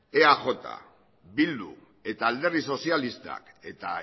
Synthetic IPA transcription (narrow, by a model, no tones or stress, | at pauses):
eaʝo̞t̪a̰ | βild̪ṵ | e̞t̪aːld̪e̞riso̞sialist̪a̰k | e̞t̪a̰